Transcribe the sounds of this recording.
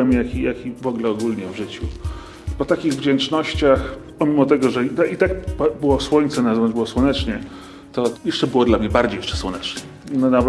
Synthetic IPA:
ɛmjakʲijakʲivɔɡlɛɔɡulɲɛvʐɘt͡ɕu | pɔt̪akʲiɣvd͡ʑɛnt͡ʂnɔɕt͡ɕaxpɔmʲimɔt̪ɛɡɔʐɛit̪ait̪akpbɘwɔswɔɲʲt̪sɛnazvanzbɘwɔswɔnɛt͡ʂɲɛ | t̪ɔjɛʂt͡ʂɛbɘwɔd̪lamɲɛbaɾd͡ʑejɛ̥ʂt͡ʂɛ̥swɔnɛt͡ʂnɛ | nanav

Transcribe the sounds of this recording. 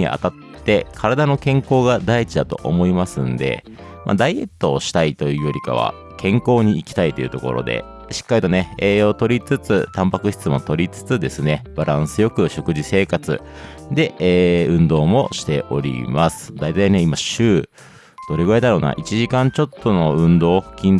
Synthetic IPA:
ɲḭʔa̰t̪at̪ːe̞kʰaɾad̪ano̞kẽ̞ŋko̞ːɡad̪ait͡ɕid̪at̪o̞ʔo̰mo̞imasɨ̰̃nd̪e̞̰ | ma̰d̪aie̞̰t̪ːo̞ːɕi̥t̪ait̪o̞jɯ̟ːjo̞ɾʲika̰β̞a̰ | kʰẽ̞ŋko̞ːɲ̟iːkʲi̥t̪ait̪o̞jɯ̟t̪o̞̰ko̞̰ɾo̞̰d̪e̞̰ | ɕi̥kːaɾʲit̪o̞ne̞eːjo̞ːt̪o̞ɾʲit͡sɨt͡sɨt̪ãmpakɯ̟ɕi̥t͡sɨmo̞t̪o̞ɾʲit͡sɨ̥t͡sɨd̪e̞sɨne̞b̥aɾãsɨjo̞kɯ̟ɕo̞kɯ̟ʑise̞ːkat͡sɨ̰ | d̪e̞eːɯ̟̃nd̪o̞ːmo̞ɕi̥t̪e̞ʔo̞ɾʲḭmasɨ̥d̪ait̪aine̞imaɕɨː | d̪̥o̞ɾe̞ɡɯ̟ɾad̪aɾo̞ːna̰ʔit͡ɕiʑikãɲt͡ɕo̞t̪ʰːono̞ɯ̟̃nd̪o̞ːhkʲĩn

